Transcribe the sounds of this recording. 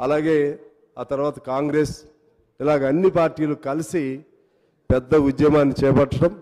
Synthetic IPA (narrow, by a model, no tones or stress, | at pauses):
ɐlaːɡe̞ː | aːt̪ɐɾʋaːt̪ɐkaːŋɡɾes | ilaːɡɐɐnːipaːɾʈiːlukɐlisi | pɛd̪ːɐud̪jɐmaːnːit͡ʃɛːpɐʈːɐʈɐm